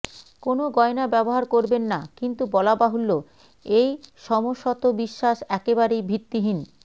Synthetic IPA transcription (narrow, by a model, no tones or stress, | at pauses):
konoɡɔenabɛboɦaɾkoɾbenːakint̪ubɔlabaɦolːo | ejʃɔmoʃːɔt̪obiʃːaʃɛkebaɾejbʱiɾt̪ːiɦin